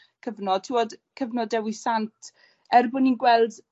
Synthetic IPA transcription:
kʰəvnɔd̥̚tʰiwɔdkʰəvnɔdɛwisantʰ | ɛrbʊninɡwɛlˠd

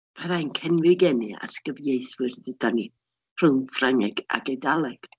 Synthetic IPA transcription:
pʰaɾajnkʰɛnwɪɡɛnia̰tɡ̥əvjejθwɨrdɨd̥ani | pʰr̥ɨwnfraŋɛɡ̥a̰ɡejdalˠɛɡ̥

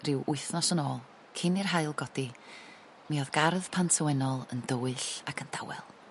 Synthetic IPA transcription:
rɪwʔʊɨθnɔsənoːlˠ | kʰɪnɪrɦaɨlˠɡɔdi | miɔðɡarðpʰantʰəwɛnɔlˠəndəwɨɬakʰənd̥a̰wɛ̰lˠ

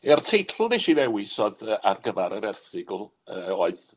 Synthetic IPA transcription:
ɛrtʰejtʰlˠneʃivɛwɪsɔðəʔarɡəvaɾəɾɛrθɪɡˠ | əoːɨð

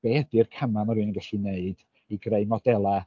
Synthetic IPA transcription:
b̥ɛdɨrkʰamamaɾɨːnəŋɡɛɬineɨd | iɡreɨmɔdɛlˠa

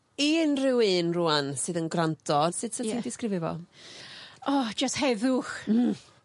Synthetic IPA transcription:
inrɪwɨːnruansɨːðənɡrantʰɔd̥sɨd̥səindɪskrɪvɪvɔ̰ | ɔd͡ʒasthɛðʊx

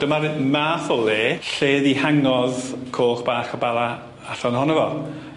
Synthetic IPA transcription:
d̥əmaɾmafʊlˠɪɬeːðihaŋɔðkʰoːχb̥aːχɔbalˠa | aɬɔnhɔnəvɔ

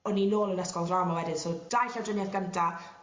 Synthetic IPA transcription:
ɔnːinoːlˠənɛskɔlˠraːmawɛdɪnsowd̥ajɬawdrənjaðɡəntʰa

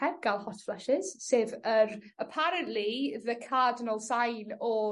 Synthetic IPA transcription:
ɛb̚ɡ̥alˠhɔtflˠəʃɪz̥seːvəɾəpʰaɾənʔliðəkʰaːdnəlˠsajnɔ

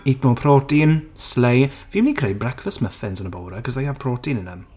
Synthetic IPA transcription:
iknɔpʰrɔːdinslejvimiːkʰrejd̚brɛkfəsməfɪnsənəbowɾəkʰɔsðajapʰrɔːdinənəm

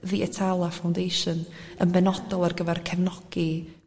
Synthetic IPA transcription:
ðiʔɛtʰalˠafawndejʃɔnənbɛnɔdɔlˠarɡəvɛrkʰɛvnɔɡ̥i

